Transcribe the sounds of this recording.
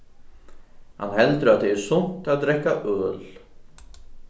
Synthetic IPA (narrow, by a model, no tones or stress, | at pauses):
ha̰nːhɛlt̪ɾʏat̪t̪ɛɛɾ̥sʊn̥t̪aðd̪ɾɛhkːaʔœːl